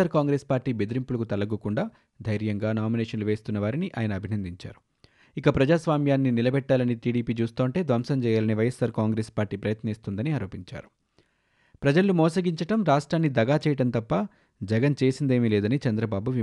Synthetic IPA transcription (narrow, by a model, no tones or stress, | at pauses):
aːɾkaːŋɡɾe̞ːspaːɾʈːiːbed̪iɾimpulɐkut̪ɐlɐɡukuɳɖaː | d̪ʱɐjɾjɐŋɡaːnaːmineːʂɐnluʋe̞ːst̪unːɐʋaːɾiniʔaːjɐnɐːbʱinɐnd̪iɲt͡ʃa̰ːɾu̥ | ikɐpɾɐd͡ʒaːsʋaːmjaːnːinilɐbɛʈːaːlɐniʈiːɽiːpiːt͡ʃuːst̪oːɳʈe̞ːd̪ʋɐmsɐmt͡ʃɛːjaːlɐniʋɐjɐsːaːɾkaːŋɡɾespaːɾʈːiːpɾɐjɐt̪nɐiːst̪und̪ɐniaːɾo̞ːpiɲt͡ʃa̰ːɾu | pɾɐd͡ʒɐlːumɔːsɐɡiɲt͡ʃɐʈɐmɾaːʂʈɾaːnːid̪ɐɡaːt͡ʃɛːjɐʈɐnt̪ɐpːɐ | d͡ʒɛɡɐnt͡ʃe̞ːsind̪e̞ːmileːd̪ɐnit͡ʃɐnd̪ɾɐbaːbuʋi